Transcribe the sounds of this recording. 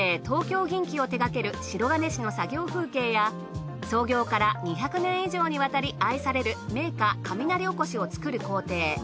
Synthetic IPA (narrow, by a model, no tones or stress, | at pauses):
t̪o̞ːkʲo̞ːɡʲĩŋkʲio̞t̪e̞ɡake̞ɾɯ̟ɕiɾo̞ɡane̞ɕino̞saɡʲo̞ːɸɯ̟ːke̞ːja | so̞ːɡʲo̞ːkaɾaɲ̟içʲakɯ̟nẽ̞ɰ̃iʑo̞ːɲ̟iβat̪aɾʲiaisaɾe̞ɾɯ̟me̞ːkakʰamʲinaɾʲioko̞ɕio̞t͡sɨ̥kɯ̟ɾɯ̟ko̞ːt̪e̞ː